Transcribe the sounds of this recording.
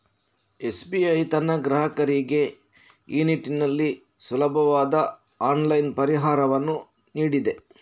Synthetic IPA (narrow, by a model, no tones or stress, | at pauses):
e̞sbiɐjt̪ɐnːɐɡɾɐɦɐkɐɾiɡe̞ | iːniʈːinɐlːi | sulɐbʱɐʋaːd̪ɐ | aːnlɐjnpɐɾiɦaːɾɐʋɐnːu | niːɽid̪e̞